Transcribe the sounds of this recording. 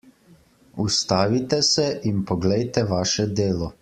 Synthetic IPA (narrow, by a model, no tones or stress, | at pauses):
ust̪aːʋit̪ɛsɛʔimpɔɡlɛjt̪ɛʋaːʃɛd̪eːlɔ